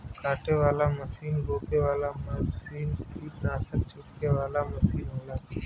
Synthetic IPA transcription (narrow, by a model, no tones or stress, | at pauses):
kaːʈʰeʋaːlaməsiːnɾoːpeʋaːlaməsiːnkiːnaːsək̚t͡ʃʰʊʈkeʋaːlaməsiːnɦola